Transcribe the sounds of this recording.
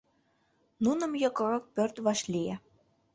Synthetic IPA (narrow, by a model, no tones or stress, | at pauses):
nunə̆mjɤ̆kɤ̆ɾɤ̆k̚pørt̪βɑʃliæ